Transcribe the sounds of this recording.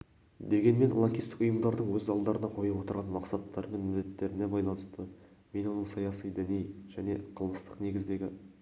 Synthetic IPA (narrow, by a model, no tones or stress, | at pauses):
d̪e̞ɡʲe̞nme̞nlˠoŋkʲijst̪ɪ̥kʊjəmd̪ɑɾd̪əɴwɵzɑlˠd̪ɑɾənɑqʰo̞jɑwo̞t̪əɾʁɑnmɑqsɑt̪ʰːɑɾme̞nmɪd̪ːet̪ːe̞ɾɪne̞bɑjlˠɑnəst̪əme̞no̞nəɴsɑjɑsijd̪ɪnejʒ̥æne̞qʰəlˠməst̪ə̥qne̞ɡʲɪzd̪e̞ɡʲɪ